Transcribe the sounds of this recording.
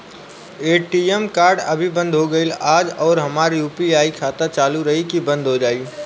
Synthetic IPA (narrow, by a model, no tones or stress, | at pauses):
eːʈiːemkaːɾɖɐbʱibɐ̃nd̪ʱɦoɡɐɪlaːd͡ʒɔːɾɦɐmaːɾijuːpiaːikʰaːt̪ət͡ʃaːluɾɐɦikibɐ̃nd̪ʱɦod͡ʒaːiː